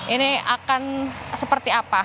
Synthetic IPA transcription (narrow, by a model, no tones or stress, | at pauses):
ʔinɪa̰kansəpərt̪iapa